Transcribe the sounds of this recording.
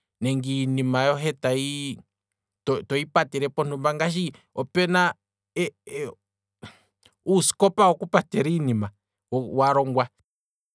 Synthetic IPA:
nɛŋɡinimajɔɦɛt̪ai | tɔt̪ɔipatɛɾɛpɔn̥umbaŋɡaʃ̬i | ɔpɛna | usi̥kɔpaɔkupatɛɾinima | waɾɔŋɡwa

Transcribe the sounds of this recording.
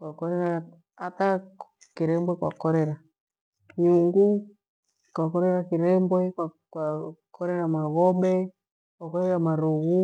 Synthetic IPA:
kwakɔɾɛɾa | ata | kiɾɛmbwɛkwa̰kɔɾɛɾa | ɲuŋɡu | kwakɔɾɛɾakiɾɛmbwɛka | kwakʰɔɾɛɾamaɣɔɓɛ | kwakɔɾɛɾamaɾuɣu

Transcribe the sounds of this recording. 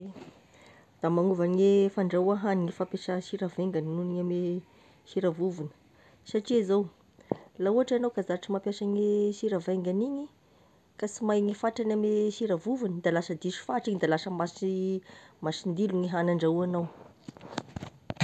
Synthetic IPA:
e | d̪̥amaŋuvaŋefaɳɖ͡ʐauaɦaniŋifapeʃəʃiɾavajŋɡaninuniɲame | ʃiɾavuvunə̥ | saʈ͡ʂiazaw | lauaʈ͡ʂanawkazaɾaʈ͡ʂimapjaʃaɲesiɾavajŋɡaniɲi | kasimajŋifaʈ͡ʂanameʃiɾavuvunəd̪alasəd̪iʃu̥faʈ͡ʂiɲid̪alasəmasi | masind̪iluŋiɦanaɳɖ͡ʐauanaw

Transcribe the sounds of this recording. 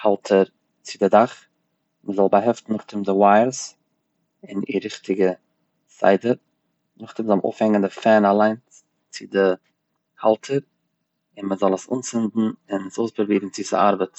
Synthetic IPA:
halˠtʰəɾ | t͡sɪdɪdaχ | məzɔlˠbaɦɛftn̩nʊχtɪmdɪwaɪəɾs | ɪnɪ̰ɾɪχtʰɪɡə | sa̰ɪdəɾ | nʊχtɪmzɔlˠʔo̰ʊfhɛŋəndɪfɛnalˠaɪn | t͡sɪdɪ | halˠtʰəɾ | ɪnməzɔlˠəsṵːnsɪndn̩ɪnsoʊsbəɾbiːɡn̩t͡sɪsa̰a̰ɾbət

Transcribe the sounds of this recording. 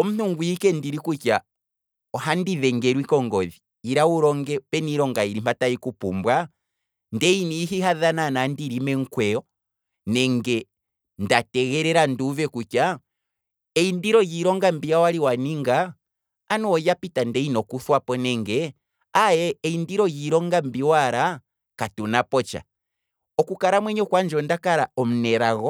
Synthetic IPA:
ɔm̩nuŋɡuikɛndiɾikut͡ʃa | ɔɦandiðɛŋɡɛɾwikɔŋɡɔðiːɾauɾɔŋɡɛpɛniɾɔŋɡaiɾim̥ataikupumbwa | ndɛiniːɦiɦaðananandiɾimɛŋ̩kwɛɔ | nɛŋɡɛ | ndatɛɣɛɾɛɾanduvɛkut͡ʃa | ɛindiɾɔjiɾɔŋɡambijawaɾiwaniŋɡaː | nuɔjapitandɛinɔkuθwapɔnɛŋɡɛ | ajɛːindiɾɔjiɾɔŋɡambiwaɾa | katunapɔt͡ʃa̰ | ɔkukaɾamwɛɲɔkwand͡ʒɔndakaɾaɔm̩nɛɾaɣɔ

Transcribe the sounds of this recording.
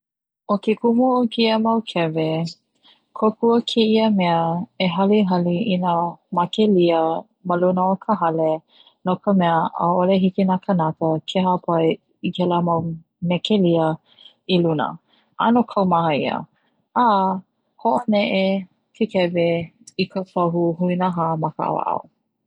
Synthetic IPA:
okekʰumuokiəmɐwkʰɛve | kʰokʰuəkʰeiəmɛəeɦɐliɦɐliʔinamakeliə | məlunəokʰəɦɐle | nokəmɛəʔə̰oleɦikinakʰənakəkʰeɦapʰaj | ikɛləmaw | mɛkeliə | ilunə̰ | ʔa̰nokʰɐwmahəiə̰ | a | hoʔonɛʔe | kʰekɛve | ikʰəfoɦuhuinəɦamɐkə̰a̰wa̰ʔa̰w

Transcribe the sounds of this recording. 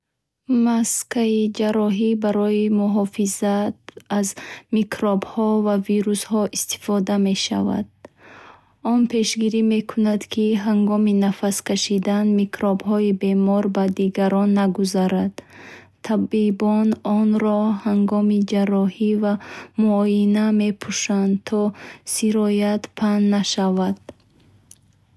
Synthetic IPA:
maskaid͡ʒaɾɔɦibaɾɔimuɦɔfizat̪̚azmikʰɾɔbhɔvaviɾushɔʔist̪i̥fɔd̪ame̞ʃa̰va̰d̪̥̚ | ɔnpʰe̞ʃɡiɾime̞kʰunad̪kʰiɦaŋɡɔminafaskʰaʃid̪anmikʰɾɔbhɔibe̞mɔɾbad̪iɡaɾɔnːaɡuzaɾad̪̥ | t̪ʰabibɔnɔnɾɔhaŋɡɔmid͡ʒarɔhivamuɔjiname̞pʰuʃand̪t̪ʰɔsiɾɔjat̪pʰanːaʃavad̪̥

